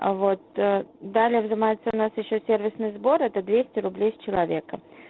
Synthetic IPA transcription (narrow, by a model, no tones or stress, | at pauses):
vot̪d̪alʲɪjəvzɨmajɪt̪səʊnasjɪɕːosʲervʲɪsnɨjzbo̞ɾɛt̪əd̪vʲesʲtʲɪɾʊblʲejsʲt͡ɕɪlˠɐvʲekə